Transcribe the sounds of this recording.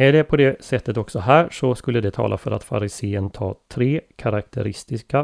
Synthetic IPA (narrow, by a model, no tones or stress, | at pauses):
ɛɖɛpʰɔd̪ɛsɛt̪ːət̪ɔksɔɦæːʂɔskɵlːəd̪ɛt̪ʰɑ̰ːlʔa̰fœɾa̰t̪fa̰ɾɪseːənt̪ʰɑ̰ːt̪ʰɾeːkʰaɾakt̪ʰəɾɪst̪ɪska